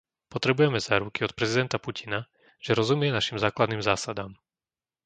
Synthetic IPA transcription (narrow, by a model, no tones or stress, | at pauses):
pɔt̪ɾɛbujɛmɛzaːɾukiɔt̪̚pɾɛzid̪ɛnt̪apucina | ʒ̥ɛɾɔzumɪjɛnaʃimzaːklad̪niːmzaːsad̪aːm